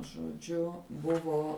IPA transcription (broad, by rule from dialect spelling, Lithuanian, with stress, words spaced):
ʒoːˈd͡ʒʲʊ ˈbʊʋoː